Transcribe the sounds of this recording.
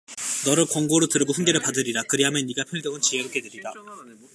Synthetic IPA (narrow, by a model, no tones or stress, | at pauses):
nʌɾɯɭkwʌŋɡoɾotɯɾɯɡoɸunɡe̞ɾɯɭpadɯɾiɾakɯɾiɦamjʌnːiɡapʰjʌɭd͡ʑʌŋɯnt͡ɕieɯk͈e̞deɾida